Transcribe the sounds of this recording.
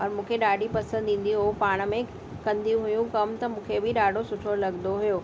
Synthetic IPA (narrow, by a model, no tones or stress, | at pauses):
ɔːɾmũːkʰeɗaːɖʱipɐsə̃nd̪ĩːn̆d̪iɦoupaːɽ̃ə̆mẽ | kɐ̃nd̪ʱijũɦʊjũkɐmt̪ɐmũːkʰebɪɗaːɖʱosʊʈʰolɐɡnd̪oɦʊjoː